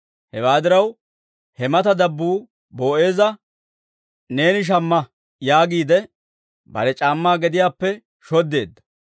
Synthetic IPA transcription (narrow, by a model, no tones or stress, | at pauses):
hɛwaːd̪ɪɾɐw | hɛmɐt̪ɐd̪ɐbːuː | bo̞ːʔe̞ːzɐ | ne̞ːnɪʃ̬ɐmːɐ | jaːɡiːd̪ɛ | bɐ̰ɾɛt͡ʃʼaːmːaːɡɛd̪ɪjaːpːɛ | ʃɔd̪ːe̞ːd̪ːɐ̥